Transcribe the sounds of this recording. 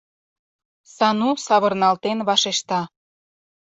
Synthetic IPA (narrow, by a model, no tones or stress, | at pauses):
sɑnusɑβɤ̆rnɑlt̪enβɑʃeʃt̪ɑ